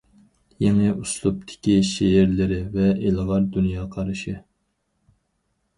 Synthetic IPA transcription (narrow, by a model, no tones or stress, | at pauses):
jeŋɪʔuslˠup̚t̪ʰɪ̥kʲiʃeɪɾlɪɾɪvɛʔelʁɑɾd̪unjɑːqʰɑɾɨʃɪ